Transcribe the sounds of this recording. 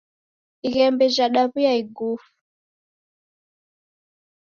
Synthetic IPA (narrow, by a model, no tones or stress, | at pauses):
iɣɛmbɛʒaɗaβujaiɡufu̥